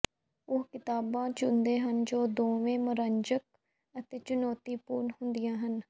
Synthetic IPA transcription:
ʊɦkɪt̪aːbãːt͡ʃʊnd̪eːɦənd͡ʒoːd̪oːʋẽːməɾəɲd͡ʒək̚ | ət̪eːt͡ʃʊnɔːt̪iːpuːɾnhʊnd̪ɪjãːɦən

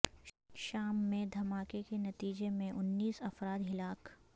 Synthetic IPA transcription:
ʃaːmːẽd̪ʱɐmaːkekenɐt̪iːd͡ʒemẽʔʊnːiːsɐfɾaːd̪ɦɪlaːk

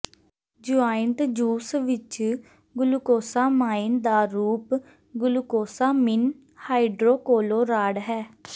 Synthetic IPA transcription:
d͡ʒʊaːɪnt̪d͡ʒuːsʋɪt͡ʃ | ɡʊlkoːsaːmaːɪnd̪aːɾuːp | ɡʊlkoːsaːmɪn | haːiɖɾoːkoːloːɾaːɽɦɛː

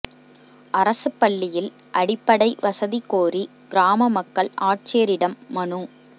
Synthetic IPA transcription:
ʔɐɾɐsɯpːɐɭːɪjɪl | ʔɐɽɪpːɐɽɐɪʋɐsɐðikoːri | ɡ̥ɪɾaːmɐmɐkːɐɭʔaːʈ̚t͡ʃeːɾɪɽɐmːɐɳu

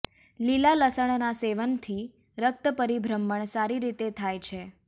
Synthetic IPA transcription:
lilaləsəɳ̃naseʋənt̪ʰi | ɾək̚t̪əpəɾibʱɾəmːəɳsaɾiɾit̪et̪ʰajt͡ʃʰe

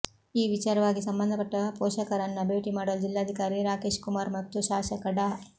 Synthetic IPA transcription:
iːʋit͡ʃaːɾɐʋaːɡisɐmbɐnd̪ɐpɐʈːɐpɔːʃɐkɐɾɐnːɐbe̞ːʈimaːɽɐld͡ʒilːaːd̪ʱikaːɾiɾaːkeːʃkumaːɾmɐt̪ːuʃaːʃɐkɐɖa

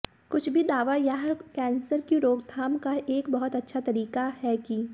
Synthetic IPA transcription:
kʊt͡ʃʰbʱid̪aːʋajaɦɾkɛ̃ːnsəɾkiɾoːɡd̪ʱaːmkaʔeːkbɐɦʊt̪ɐtːʃʰat̪ɐɾiːkahɛki

